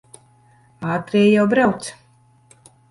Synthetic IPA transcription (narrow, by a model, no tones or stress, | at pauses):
aːt̪ɾiːjawbɾawt̪s